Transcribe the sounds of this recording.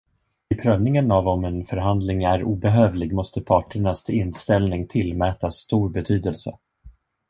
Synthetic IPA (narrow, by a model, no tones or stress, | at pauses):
ɪpʰɾœvnɪŋənavɔmɛnfœɾɦand̪lɪŋæɾuːbɛɦøːvlɪɡmɔst̪əpʰɑːʈəɳasɪnːst̪ɛlnɪŋt̪ʰɪlmɛːt̪asːt̪uːɾbɛt̪ʰyːd̪əlsə̰